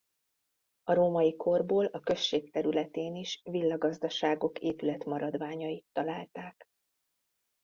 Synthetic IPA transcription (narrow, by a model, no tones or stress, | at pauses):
ɒɾoːmɒjikʰo̞rboːlɒkø̞ʃːeːkt̪ɛɾylɛt̪eːniʃvilːɒɡɒzd̪ɒʃaːɡo̞keːpylɛt̪mɒɾɒd̪ʋaːɲɒit̪ːɒlaːlt̪aːk